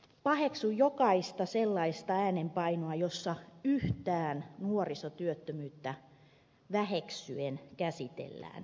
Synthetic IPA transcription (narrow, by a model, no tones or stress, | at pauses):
pɑheksujjokɑist̪ɑselːɑist̪ɑæːnempɑinoɑjosːɑyht̪æːnnuorisot̪yøt̪ːømyːt̪ːæ | ʋæheksyenkæsit̪ḛlːæ̰ːn